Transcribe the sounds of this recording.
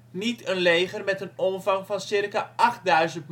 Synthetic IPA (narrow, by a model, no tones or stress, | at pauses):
nitənlejχərmɛtənɔmvɑŋvɑnsɪrkaʔɑχt̚dœɥzəntm